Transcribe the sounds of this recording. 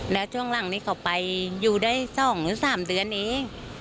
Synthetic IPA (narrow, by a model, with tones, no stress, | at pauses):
lɛː˦˥wt͡ɕʰu˥˩əŋla˨˩˦ŋniː˦˥kʰa˧˩wpa˧jːuː˧˩daː˥˩jsɔː˨˩˦ŋlɯː˨˦saː˨˩˦mdɯ˧ənʔeː˧˥ŋ